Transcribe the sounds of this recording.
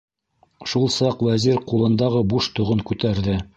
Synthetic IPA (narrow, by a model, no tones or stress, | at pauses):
ʃulˠsɑqwæziɾqulˠɤ̆nd̪ɑʁɤbuʃt̪ŏʁɤŋkʉt̪æɾðɘ